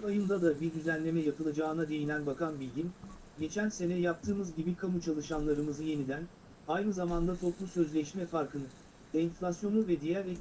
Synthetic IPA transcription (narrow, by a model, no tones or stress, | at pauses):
vajɯnd̪ad̪abiɾd̪yzænlʲe̞mɛjapʰɯlˠad͡ʒaːɯnad̪e̞jinʲænbakʰanbilʲɟin | ɟe̞t͡ʃʰænse̞nɛjap̚t̪ʰɯːmɯzɟibikʰamut͡ʃʰalˠɯʃanlˠaɾɯmɯzɯje̞nid̪æn | ajnɯzamand̪at̪ʰo̞plˠusø̞zlʲɛʃmɛfaɾkɯnɯ | d̪einflʲasjo̞nuvɛd̪ijæɾɛ